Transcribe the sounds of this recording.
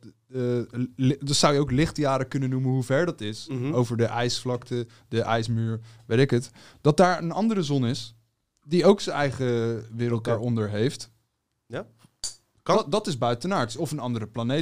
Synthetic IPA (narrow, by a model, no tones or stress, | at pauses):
dtsʌwjəowklɪχtjaːdəkɵnənumənɦuvɛɹdɑtɪsowvəɹdəʔɛjsflɑktə | dəʔɛjsmyːɹʋɛtɪkətd̥ɑt̚daːɹənɑndəɾəzɔnɪs | diowksənɛjχəʋɪːɾəl̩ˠt̚daːɹɔndəɹɦejft | dɑtɪzbœɥtənaːɹtsɔfənɑndərəplane